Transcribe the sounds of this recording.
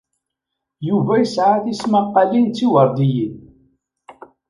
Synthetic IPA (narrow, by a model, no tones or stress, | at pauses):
juvæjəsʕaθismaqːɑlint͡sːiwəɾˤd̪ijin